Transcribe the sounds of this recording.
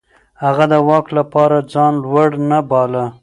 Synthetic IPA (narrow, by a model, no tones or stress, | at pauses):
haɣad̪əwɑklapɑɾad͡zɑnlwaɽnabɑla